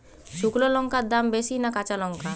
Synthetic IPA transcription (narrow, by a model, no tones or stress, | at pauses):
ʃuklolɔŋkad̪ambesinakat͡ʃalɔŋka